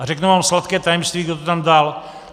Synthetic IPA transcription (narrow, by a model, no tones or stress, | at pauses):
arɛknumaːmslat̪kɛːt̪ajɛmst̪viːɡdot̪ot̪amdal